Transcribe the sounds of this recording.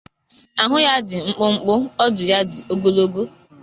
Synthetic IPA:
a˨ɦʊ˦ja˦dɪ˨ŋ͡m̩˦k͡pʊ˦ŋ͡m̩˦k͡pʊ˦ɔ˦dʊ˨ja˦dɪ˨o˦ɡo˦lo˦ɡo˦

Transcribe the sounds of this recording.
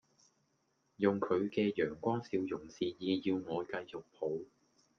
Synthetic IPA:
jʊ˨ŋkʰɵ˨˧ɥkɛː˧jœː˨˩ŋkʷɔː˥ŋsiː˧wjʊ˨˩ŋsiː˨jiː˨˧jiː˧wŋɔː˨˧kɐ˧jt͡sʊ˨k̚pʰo˨˧w

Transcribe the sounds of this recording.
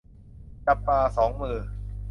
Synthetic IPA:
t͡ɕa˧pːaː˧sɔː˩˦ŋmɯː˧˩

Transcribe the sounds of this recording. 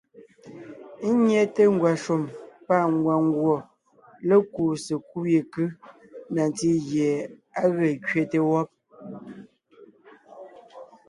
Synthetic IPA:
ɲɛ˦te˦ŋ̩˦ɡwa˨ʃu˨mpa˦˨ŋ˨ɡwa˨ŋ˦ɡwɔ˨ | le˦ku˨se˨ku˦je˨kɨ˦ | na˨n˨ti˦ɣje˨a˦ɣə˨kɥe˦˨te˦wɔ˦p̚

